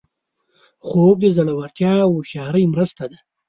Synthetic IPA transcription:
xob̚d̪əzaɽawaɾt̪jɑwuʃɑːɾəjmɾəst̪ad̪a

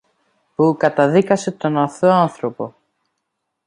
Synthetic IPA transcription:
pukɐt̪ɐðikɐse̞t̪o̞nɐθoɐnθɾo̞po̞

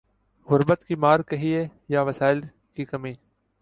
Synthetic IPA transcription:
ɣʊɾbət̪kiːmaːɾkəɦiːeːjaːʋəsaːɪl | kiːkɐmiː

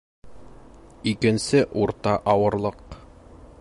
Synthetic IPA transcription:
ikɘ̆nsɘʔuɾt̪ɑʔɑwɤ̆ɾlˠɤq

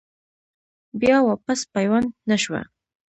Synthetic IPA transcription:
bjɑwɑpaspajwanːaʃwa̰

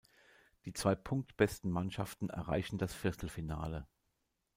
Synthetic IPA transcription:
d̥iːt͡sv̥aɪpʰʊŋk̚tb̥ɛstn̩manʃaftn̩ɛ̰ɐʁa̰ɪçn̩dasfɪɐstl̩fina̰ːlə

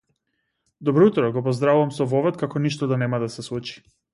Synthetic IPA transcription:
d̪ɔbɾɔut̪ɾɔɡɔpɔzd̪ɾavuvamsɔvɔvɛt̪̚kakɔniʃt̪ɔd̪anɛmad̪asɛslˠut͡ʃi̥

